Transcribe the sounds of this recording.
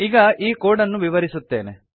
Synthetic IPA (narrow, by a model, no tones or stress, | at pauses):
iɡɐʔiːkoːɽɐnːuʋiʋɐɾisut̪ːḛːnḛ